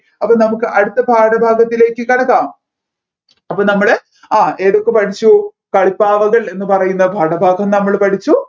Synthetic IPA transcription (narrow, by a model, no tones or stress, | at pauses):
ɐpːoːnɐmukːɨʔɐɽut̪ːɐbʱaːʈɐbʱaːɡɐt̪ːile̞ːkːɨkɐɽɐkːaːm | ɐpːoːɭnɐmːɐɭe | aːeːɽokːepɐʈʰit͡ɕːu | kɐɭipːaːʋɐɣɐɭe̞nːɨpɐrɐjunːɐbʱaːɽɐbʱaːɡʱɐmnɐmːɐɭpɐʈʰit͡ɕːu